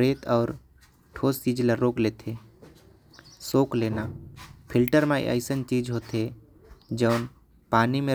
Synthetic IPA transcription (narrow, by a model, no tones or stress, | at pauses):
ɾeːt̪ɔːɾ | ʈʰoːst͡ʃiːd͡ʒləɾoːkleːt̪ʰeː | soːkleːnaːpʰɪlʈəɾmḛ̃ʔə̰ɪsənt͡ʃiːd͡ʒɦoːt̪e | d͡ʒəʊn | paːnimẽ